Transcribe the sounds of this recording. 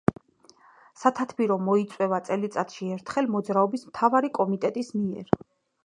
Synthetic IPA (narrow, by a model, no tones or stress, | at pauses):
sat̪ʰat̪ʰbiɾɔmːɔit̪sʼwɛvat̪sʼɛlit̪sʼat̪ʰʃiɛɾt̪ʰχɛlmɔd̪zɾaɔbismt̪ʰavaɾikʼɔmit̪ʼɛt̪ʼismiɛ̰ɾ